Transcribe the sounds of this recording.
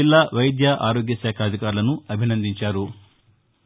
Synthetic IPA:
ilːaʋɐjd̪jɐʔaːɾoːɡjɐsaːkʰɐːd̪ʱikaːɾulɐnuɐbʱinɐnd̪iɲt͡ʃaːɾu

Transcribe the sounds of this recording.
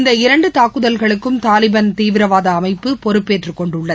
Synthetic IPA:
nd̪ɐɪɾɐɳɖɯt̪aːkːɯðɐlɣɐɭɯkːɯmt̪aːlɪbɐnt̪iːʋɪɾɐʋaːðɐːmɐɪpːɯpɔɾɯpːeːʈrɯkːɔɳɖɯɭːɐðɯ

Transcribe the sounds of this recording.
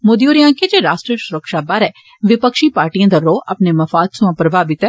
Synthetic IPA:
mʊd̪ioːɾjãːked͡ʒeːɾaːsʈɾəsʊɾəkʃabaɾɛː | ʋɪpəkʃiːpaːɾʈijãːd̪aɾɾoːɐpnemɐfaːd̪sʊ̃ãpəɾʋaːbɪt̪ɛː

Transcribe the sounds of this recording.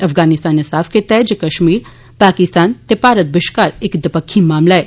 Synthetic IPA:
ɐfɡaːnɪst̪aːnesaːfʰket̪ɛːd͡ʒkɐʃmiːɾ | paːkɪst̪aːnt̪epaːɾət̪̚bɪʃkaːɾekd̪ɪpəkʰːimaːmlaːe

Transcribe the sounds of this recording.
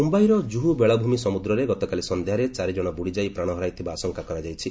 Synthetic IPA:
umbajɾɔd͡ʒuɦubeɭabʱumisɔmud̪ɾɔɾeɡɔt̪ɔkalisɔnd̪ʱjaɾet͡ʃaɾid͡ʒɔɽ̃ɔbuɽid͡ʒajpɾaɽ̃ɔɦɔɾajt̪ʰibaːsɔŋkakɔɾad͡ʒajt͡ʃʰi

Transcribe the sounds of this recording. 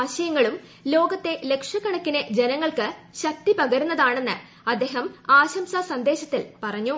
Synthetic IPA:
aːɕɐjɐŋːɐɭum | lo̞ːɡɐt̪ːe̞le̞kʂɐkːɐɳɐkːined͡ʑe̞nɐŋːɐɭkɨɕɐk̚t̪ipɐɣɐɾunːɐðaːɳe̞nːɨ | ɐd̪ːe̞ːɦɐmaːɕɐmsasɐnd̪e̞ːɕɐt̪ːilpɐrɐɲːu

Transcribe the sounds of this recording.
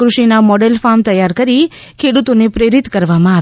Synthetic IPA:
kɾuʃinamɔɖelfamt̪əjaɾkəɾikʰeɽut̪onepɾeɾit̪kəɾʋamãa

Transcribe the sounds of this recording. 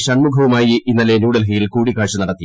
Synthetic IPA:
ɕɐɳmubʱɐʋɐmaːjiinːɐlenuːɽɐlɦɐjilkuːɽikːaːɻʂɐnɐɽɐt̪ːi

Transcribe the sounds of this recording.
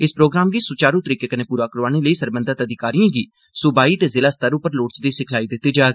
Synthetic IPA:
ɪspɾoːɡɾaːmɡiːsʊt͡ʃaːɾuːt̪əɾiːkeːkəneːpuːɾaːkəɾʋaːneləiːsəɾbə̃nd̪at̪əd̪ɪkaːɾijãːɡiː | sʊbaːiːt̪eːzɪlaːst̪əɾʊpəɾloːʈt͡ʃd̪iːsɪkʰlaːid̪ɪt̪ːiːd͡ʒaːe

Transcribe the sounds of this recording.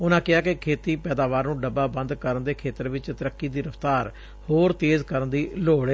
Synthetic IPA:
ʊnãːkɪaːkɪkʰeːt̪iːpɛːd̪aːʋaːɾnũːɖəbaːbə̃nd̪kəɾənd̪eːkʰeːt̪əɾʋɪt͡ʃt̪əɾəkːiːd̪iːɾəft̪aːɾ | hoːɾt̪eːzkəɾənd̪iːloːɽeː

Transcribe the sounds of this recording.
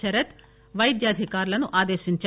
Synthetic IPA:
ɐɾət̪ | ʋɐjd̪jaːd̪ʱɪkaːɾlanũʔaːd̪eːʃənt͡ʃ

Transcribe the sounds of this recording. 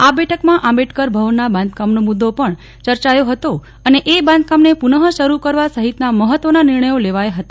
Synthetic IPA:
abɛʈʰəkmãʔãbɛʈʰkəɾbʱəʋənːabãnd̪kamnomud̪ːopəɳ | t͡ʃəɾt͡ʃajoɦət̪o | əneʔebãnd̪̚kamnepunəɦəʃəɾukəɾʋasəɦit̪naməɦət̪ʋənanɪɾɳəjoleʋajɦət̪ḁ

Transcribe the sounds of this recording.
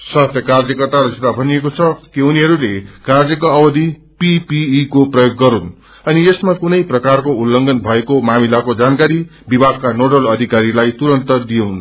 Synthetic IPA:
sʌt̪jʌkard͡zjʌkʌrt̪aɾʌd͡zet̪abʱʌnijekot͡sʰʌkiuniɦʌɾulekard͡zjʌkoʌbʌd̪ʱi | pipiːkoprʌjoɡːʌɾun | ʌniesmakunʌjprʌkarkoulːʌŋɡʌnbʱʌekomamilakod͡zankaɾibibʱaɡkanoɽʌlʌd̪ʱikaɾilajt̪uɾʌnt̪ʌd̪ijʌwn

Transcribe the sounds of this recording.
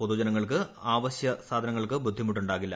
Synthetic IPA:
poðud͡ʑɐnɐŋːɐɭkɨaːʋɐɕjɐsaːd̪ʱɐnɐŋːɐɭkɨbud̪ʱːimuʈːuɳɖaːɣilːɐ

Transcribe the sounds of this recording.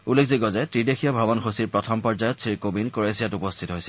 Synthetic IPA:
ulːek̚ʰziɡɔzɛtɹidexʰijabʱabɔnxosiɹpɹɔtʰɔmpɔɹd͡ʒajɔttsɹiɹkobinkoɹesijatupɔstʰitɔɦojsɛ

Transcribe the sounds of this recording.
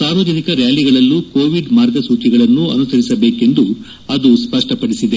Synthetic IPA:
saːʋɐd͡ʒɐnikɐɾjaːliɡɐɭɐlːukoːʋiɖmaːɾɡɐsuːt͡ʃiɡɐɭɐnːuɐ̰nusɐɾisɐbe̞ːke̞nd̪u | ɐd̪uspɐʂʈɐpɐɽisid̪e

